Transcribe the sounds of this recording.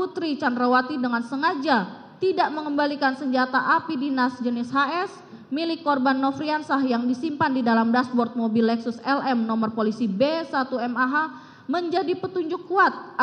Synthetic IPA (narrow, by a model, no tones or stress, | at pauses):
put̪ɾit͡ʃandɾawat̪idəŋansəŋad͡ʒa | t̪idaʔməŋəmbalikansəɲd͡ʒat̪aʔapidinasd͡ʒənɪshaʔɛs | milɪkːɔrbanːɔfɾiansahjaŋdisimpandidalamdasbɔrt̪̚mobilːɛksʊsɛlʔɛmnɔmərpolisibesat̪uɛmaɦa | məɲd͡ʒadipət̪uɲd͡ʒʊkːuat̪̚